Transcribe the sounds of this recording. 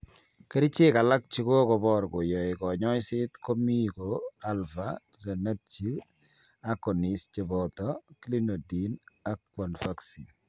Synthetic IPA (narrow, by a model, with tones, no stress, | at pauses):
ke˦ɾi˦t͡ʃe˦˨ka˨la˦k̚t͡ʃi˦ko˦kɔ˨bɔ˦ɾkɔ˨jɔ˨ɪ˨kɔ˨ɲɔ˦jsɪ˦t̪ko˦mi˦ko˨a˦lfa˦ti˨ɾa˨na˦tt͡ʃi˦ | a˦kːɔ˨ni˨st͡ʃe˨bɔt̪ɔ˦kli˦no˨di˨na˦kːwa˨nfa˦ksi˨n